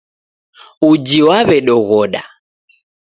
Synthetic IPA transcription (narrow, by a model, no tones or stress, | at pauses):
ud͡ʒiwaβɛɗɔɣɔɗa̰